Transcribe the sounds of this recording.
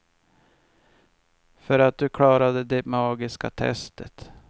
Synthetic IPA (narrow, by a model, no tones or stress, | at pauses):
fœɾat̪̚d̪ɵkʰɽɑːɾad̪əd̪ɛmɑːɡɪska̰t̪ʰɛ̰st̪ʰət̪